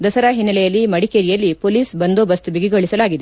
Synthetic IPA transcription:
d̪ɐsɐɾaɦinːɐlɛjɐlːimɐɽikeɾijɐlːipoliːsbɐnd̪oːbɐst̪ubiɡiɡoɭisɐlaːɡid̪e

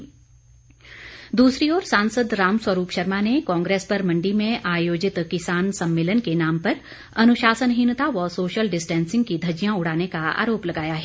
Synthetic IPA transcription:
d̪uːsɾiɔːɾsãːnsəd̪ɾaːmswəɾuːpʃɐɾmanekɔ̃ːŋɡɾeːspɐɾmɐ̃ɳɖimẽʔaːjoːd͡ʒɪt̪kɪsaːnsɐ̃mːɪːlənkenaːmpɐɾ | ɐnʊʃaːsənɦɪnt̪aʋɔsoːʃəlɖɪsʈɛ̃ːnsɪ̃ŋɡ̚kid̪ʱɐd͡ʒijãʊɽ̤aːnekaa̰ːɾoːplɐɡaːjaɦɛː

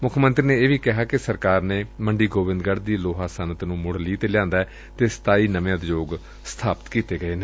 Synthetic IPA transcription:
mʊkʰmənt̪ɾiːnẽːeːʋiːkɪɦaːkɪsəɾkaːɾneːməɳɖiːɡoːʋɪ̃nd̪ɡəɽd̪iːloːɦaːsənt̪nũːmʊɽliːt̪eːlɪjãːnd̪aːɛː | t̪eːsə̥t̪aːiːnəʋãːd̪d͡ʒoːɡ | st̪ʰaːpət̪kiːt̪eːɡəeːneː

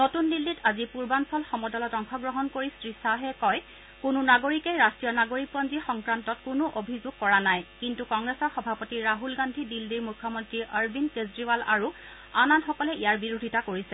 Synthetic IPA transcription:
notundilːitazipuɹbansɔlxɔmɔdɔlɔtɔŋxʰɔɡɹɔɦɔnkoɹistɹisaɦɛkɔj | kʊnʊnaɡoɹikejɹastɹijɔnaɡoɹik̚pɔnzixɔŋkɹantɔtkʊnʊʔobʱizʊɡ̚kɔɹanajkintukɔŋɡɹesɔɹxɔbʱapɔtiɹaɦulɡandʱidildiɹmukʰːɔmɔntɹiʔəɹbinkezɹivala̰ɹu | ananxɔkɔlɛʔijaɹbiɹodʱitakoɹisɛ

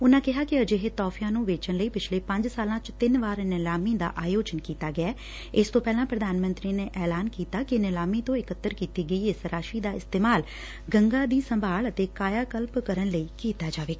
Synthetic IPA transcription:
ʊnãːkɪɦaːkɪəd͡ʒeːɦet̪ɔːfʰijãːnũːʋeːt͡ʃənləiːpɪt͡ʃʰleːpə̃ɲd͡ʒsaːlãːt͡ʃt̪ɪnʋaːɾnɪlaːmĩːd̪a̰ːʔaːjoːd͡ʒənkiːt̪aːɡɪaː | ɪst̪õːpɛːlãːpɾəd̪aːnmə̃nt̪ɾiːneːʔɛːlaːnkiːt̪aːkɪnɪlaːmĩːt̪õːɪkət̪ːəɾkiːt̪iːɡəiːɪsɾaːʃiːd̪aːɪst̪eːmaːl | ɡəŋɡaːd̪iːsəmbʱaːlət̪eːkaːjaːkəlpkəɾənləiːkiːt̪aːd͡ʒaːʋeːk

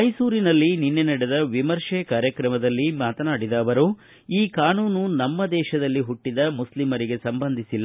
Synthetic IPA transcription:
mɐjsuːɾinɐlːininːenɐɽed̪ɐʋimɐɾʂɛkaːɾjɐkɾɐmɐd̪ɐlːimaːt̪ɐnaːɽid̪ɐːʋɐɾu | iːkaːnuːnunɐmːɐd̪ɛːʃɐd̪ɐlːiɦuʈːid̪ɐmuslimɐɾiɡe̞sɐmbɐnd̪ʱisilːɐ

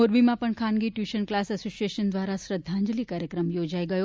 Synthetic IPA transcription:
oɾbimãpəɳkʰanɡiʈjuʃənklasəsosieʃənd̪ʋaɾasɾəd̪ʱːãɲd͡ʒliːkaɾjəkɾəmjod͡ʒaiɡəjo

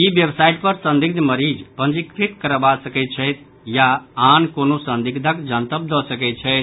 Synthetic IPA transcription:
ibjəbsajʈ̚pəɾsə̃nd̪iɡ̚d̪ʱməɾid͡ʒpə̃nd͡ʒikɾit̪kəɾbasəkɛt̪̚t͡ʃʰɛjt̪ | jaankonosənd̪iɡd̪ʱəkd͡ʒənt̪əp̚d̪ɔsəkɛt̪̚t͡ʃʰɛt̪

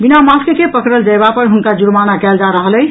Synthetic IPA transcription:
binamaskkepəkɾəld͡ʒəjbapəɾɦunkad͡ʒuɾmanakɛld͡ʒaɾəɦələj

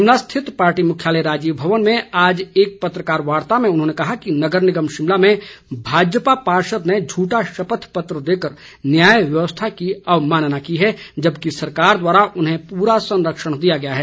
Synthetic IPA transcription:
ʃɪmlast̪ʰɪt̪paːɾʈimʊkʰjaːləjɾaːd͡ʒiːʋbʱɐʋənmẽaːd͡ʒeːk̚pɐt̪ɾəkaːɾʋaːɾt̪amẽʊnɦõːnekɐɦakinɐɡəɾnɪɡəmʃɪmlamẽbʱaːd͡ʒəpapaːɾʃəd̪ned͡ʒʱuːʈaʃɐpət̪ʰpət̪ɾəd̪eːkəɾ | njaːjʋjəʋəst̪ʰakiɐʋmaːnnakiɦɛd͡ʒɐbkisɐɾkaːɾd̪waːɾaʔʊnɦẽpuːɾasɐ̃nɾəkʃəɽ̃d̪ijaɡɐjaɦɛː

